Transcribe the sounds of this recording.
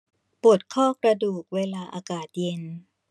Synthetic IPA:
pu˨˩t̪̚kʰɔː˥˩kɾa˧duː˨˩k̚weː˧laː˧ʔa̰ː˧kaː˨˩t̪̚je˧n

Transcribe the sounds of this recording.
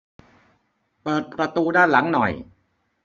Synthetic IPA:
pɤː˨˩t̪̚pɾa˧t̪uː˧daː˥˩nla˩˦ŋnɔ̰˨˩j

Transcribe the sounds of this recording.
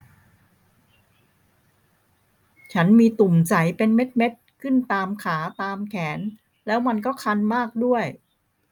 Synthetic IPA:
t͡ɕʰa˦˥nmiː˧t̪u˨˩mt͡ɕa˨˩˦jpe˧nme˦˥t̪̚me˦˥t̪̚kʰɯ˥˩nt̪aː˧mkʰaː˩˦t̪aː˧mkʰɛː˩˦n | lɛː˦˥wma˧nkɔː˥˩kʰa˧nmaː˥˩k̚du˥˩əj

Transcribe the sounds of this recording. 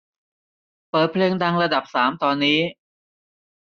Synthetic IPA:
pɤː˨˩t̪̚pʰleː˧ŋdaː˧ŋɾa˧da˨˩p̚saː˩˦mt̪ɔː˧nːiː˦˥

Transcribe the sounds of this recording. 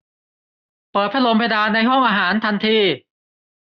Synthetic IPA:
pɤː˨˩t̪̚pʰa˥lo˧mpʰe˧jdaː˧na˧jɦɔ˥˩ŋʔaː˧ɦaː˩˦nt̪ʰa˧nt̪ʰiː˧

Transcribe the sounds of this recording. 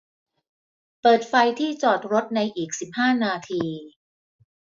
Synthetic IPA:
pɤː˨˩t̪̚fa˧jt̪ʰiː˥˩t͡ɕɔː˨˩t̪̚ɾo˦˥t̪̚na˧jʔiː˨˩k̚si˨˩p̚haː˥˩naː˧t̪ʰiː˧

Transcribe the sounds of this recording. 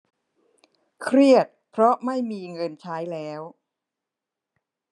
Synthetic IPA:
kʰɾi˥˩ət̪̚pʰɾɔ˦˥ma˥˩jmiː˧ŋɤ˧nt͡ɕʰaː˦˥jlɛː˦˥w

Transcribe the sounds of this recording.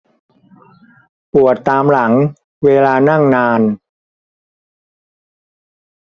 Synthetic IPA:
pu˨˩ət̪ːaː˧mla˩˦ŋ | weː˧laː˧na˥˩ŋnaː˧n

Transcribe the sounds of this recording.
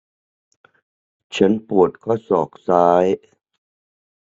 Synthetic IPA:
t͡ɕʰa˦˥npu˨˩ət̪̚kʰɔː˥˩sɔː˨˩k̚saː˦˥j

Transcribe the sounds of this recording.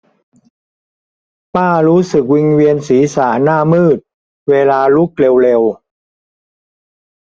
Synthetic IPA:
paː˥˩ɾuː˦˥sɯ˨˩k̚wi˧ŋwi˧ənsiː˩˦saː˩˦naː˥˩mɯː˥˩t̪̚ | weː˧laː˧lu˦˥k̚le˧wle˧w

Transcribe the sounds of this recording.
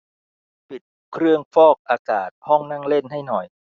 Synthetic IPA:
pi˨˩t̪̚kʰɾɯ˥˩əŋfɔː˥˩k̚ʔaː˧kaː˨˩t̪̚hɔ˥˩ŋnaː˥˩ŋle˥˩nɦa˥˩jnɔ˨˩j

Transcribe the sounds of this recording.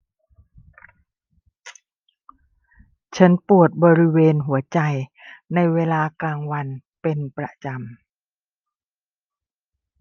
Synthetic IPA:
t͡ɕʰa˦˥npu˨˩ət̪̚bɔː˧ɾi˦˥weː˧nɦu˩˦ɐt͡ɕa˧jna˧jweː˧laː˧kaː˧ŋwa˧npe˧npɾa˧t͡ɕa˧m

